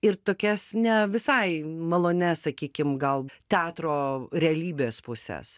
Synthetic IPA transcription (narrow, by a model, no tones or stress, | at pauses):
ɪɾt̪oːkʲɛsnʲɛʋʲɪsɐɪmɐlˠoːnʲɛsɐkʲiːkʲɪmɡɐlˠt̪ʲæːt̪ɾoːɾʲɛɐlʲiːbʲeːspʊsʲɛ̰s